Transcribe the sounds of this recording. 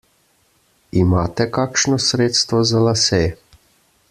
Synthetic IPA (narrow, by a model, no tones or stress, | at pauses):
imaːt̪ɛkaːkʃnɔsɾeːt̪st̪ʋɔzalasɛː